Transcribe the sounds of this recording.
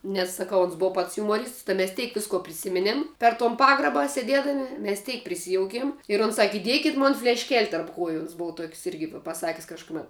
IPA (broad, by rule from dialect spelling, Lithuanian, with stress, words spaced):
nʲɛs sɐˈkɐʊ oːns ˈboːʋɐ pɐts jʊmoːˈrʲiːsts tɐɪ mʲɛs ˈtʲɛɪk ˈʋʲɪskoː pʲrʲɪˈsʲɪmʲɪnʲeːm pʲɛr toːn ˈpɑːɡrɐbɐ sʲeːˈdʲeːdɐmʲɪ mʲɛs ˈtʲɛɪk pʲrʲɪˈsʲɪjoːʊkʲeːm ɪr oːns ˈsɑːkʲɪ ɪˈdʲiɛkʲɪtʲ ˈmoːn fʲlʲɛʃʲˈkʲɛlʲ tɐrp ˈkuɔjʊ oːns ˈboːw tuɔkʲsʲ ˈɪrʲɡʲɪ ʋʲɪ pɐˈsɑːkʲɪs kɐʃkʊˈmʲɛt